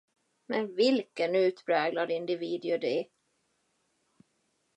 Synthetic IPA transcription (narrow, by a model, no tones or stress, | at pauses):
mɛnvɪlkənʉ̟ːt̪pʰɾɛːɡlad̪ɪnd̪ɪviːd̪ɪʊd̪ɛ